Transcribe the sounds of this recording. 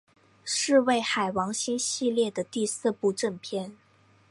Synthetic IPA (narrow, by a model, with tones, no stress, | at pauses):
ʂɻ̩˥˧we˥˩ɪxa˨˩ɪwɑ˧˥ŋɕi˥nɕi˥˧ljɛ˥˩d̪ə˩t̪i˥˧sɹ̩˥˧pu˥˧ʈ͡ʂɤ˥˧ŋpʰjɛ˥˩n